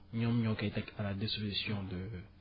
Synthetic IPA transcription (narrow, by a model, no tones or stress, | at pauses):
ɲɔ̃mɲɔ̃kaet̪ɛkalad̪ispozisjɔ̃d̪ə